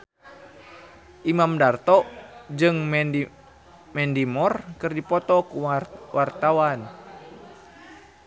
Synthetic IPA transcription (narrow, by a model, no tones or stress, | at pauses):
ʔimamdart̪ɔʔd͡ʒɨŋ | mɛndimɔrkɨrdipɔt̪ɔkuwart̪awan